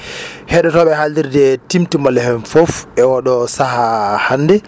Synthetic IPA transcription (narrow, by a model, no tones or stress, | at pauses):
hɛɗɔtɔɓɛɦaldiɾdɛtimtimalɛhɛnfɔfʔɛwɔɗɔsahahanːdɛ